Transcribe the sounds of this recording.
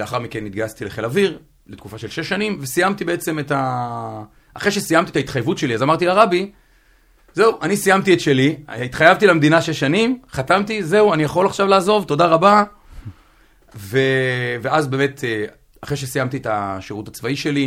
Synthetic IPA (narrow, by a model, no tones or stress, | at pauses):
eaχaʁmikenit̪̚ɡajastileχelaviʁ | let̪kufaʃe̞lʃeʃːanimve̞sijamt̪ibe̞et͡se̞meta | ʔaχeʃe̞sijamt̪it̪ait̪χajvutʃe̞liazamaʁt̪ilaʁabi | ze̞uʔanisijamt̪ietʃe̞liit̪χajavtilamd̪inaʃeʃːanimχatamt̪ize̞uanijaχo̞laχʃavlaːzo̞vto̞daʁaba | ve̞veazbe̞ːme̞t̪ʰe | aχeʃesijamt̪ietaʃiʁutat͡svaiʃe̞li